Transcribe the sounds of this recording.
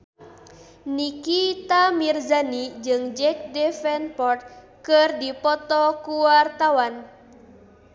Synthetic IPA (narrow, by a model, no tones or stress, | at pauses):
nikit̪amirzanid͡ʒɨŋd͡ʒɛk̚dɛfɛnpɔrt̪̚ | kɨrdipɔt̪ɔkuwart̪awan